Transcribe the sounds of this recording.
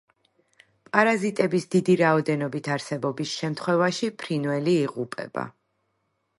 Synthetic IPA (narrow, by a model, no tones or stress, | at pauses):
pʼaɾazit̪ʼɛbisd̪id̪iɾaɔd̪ɛnɔbit̪ʰaɾsɛbɔbisʃɛmt̪ʰχwɛvaʃipʰɾinvɛliːʁupʼɛ̰ba̰